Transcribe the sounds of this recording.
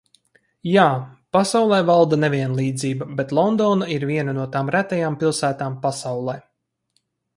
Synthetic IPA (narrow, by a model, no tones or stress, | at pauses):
jaːpasawlˠɛːvalˠd̪anɛvʲiɛnlˠiːd̪ziːbabet̪lˠɔnd̪ɔːnaiɾvʲiɛnanuɔt̪aːmɾæt̪ɛjaːmpilˠsæːt̪aːmpasawlˠɛː